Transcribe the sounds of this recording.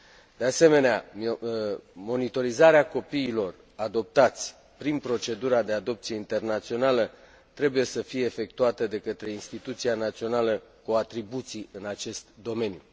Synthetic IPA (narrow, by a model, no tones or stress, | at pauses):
d̪ease̞me̞nea̰ | mo̞nit̪o̞ɾizaɾeako̞piːlo̞r | ad̪o̞p̚t̪at̪sʲ | pɾinpɾo̞t͡ʃe̞d̪uɾad̪e̞ad̪o̞p̚t̪sijeint̪e̞rnat̪sio̞nalə | t̪ɾe̞buje̞səfije̞ːfe̞kt̪uat̪əd̪e̞kət̪ɾe̞inst̪it̪ut̪sianat̪sio̞naləkoat̪ɾibut̪siɨnat͡ʃe̞st̪d̪o̞me̞nju